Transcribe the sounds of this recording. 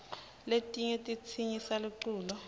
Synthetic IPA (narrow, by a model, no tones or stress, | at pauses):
letʼiɲetʼit͡sʰiɲisaluǀuːlɔ